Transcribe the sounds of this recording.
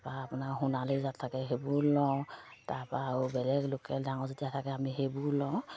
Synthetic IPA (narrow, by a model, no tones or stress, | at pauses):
baapʊnaɹɦunalezatʰːakɛɦebulɔwtapaːubɛlɛɡlʊkɛdaŋɔzetijatʰakɛamiɦebulɔ̃w